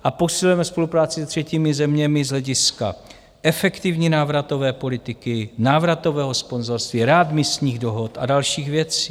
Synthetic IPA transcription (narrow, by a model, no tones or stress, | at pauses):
ʔaposɪlujɛmɛspo̞lupɾaːt͡sɪsɛt̪r̝̥ɛciːmɪzɛmɲɛmɪzɦlɛɟɪska̰ | ʔɛfɛkt̪ɪvɲiːnaːvɾat̪o̞vɛːpo̞lɪt̪ɪkɪnaːvɾat̪o̞vɛːɦospo̞nzoɾst̪viːɾɛad̪mɪst̪ɲiːɣdo̞ɦo̞t̪ʔa̰dalʃiːɣvjɛt͡siː